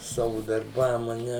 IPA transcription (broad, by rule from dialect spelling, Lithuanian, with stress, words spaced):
ˈsɑːʋʊ dɐrˈbɐm ɐ ˈnʲɛ